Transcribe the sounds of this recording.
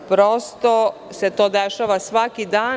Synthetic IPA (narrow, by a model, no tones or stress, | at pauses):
pɾost̪o | set̪oːd̪eʃaːʋasʋakid̪aː